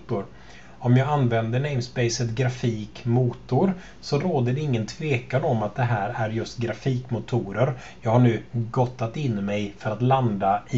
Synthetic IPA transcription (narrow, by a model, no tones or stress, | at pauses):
t̪ʊɾ | ɔmjɑːɡanːvɛnd̪əɳɛɪmspɛɪsət̪ɡɾafiːkmuːt̪ʊɾ | sɔɾoːd̪əɖɛɪŋːənt̪ʰveːkanɔmat̪̚d̪ɛɦæːɾæɾjɵst̪ɡɾafiːkmʊt̪ʰuːɾəɾ | jɑːɡhaɳʉ̟ːɡɔt̪ːat̪ɪnːmɛjfœɾat̪land̪a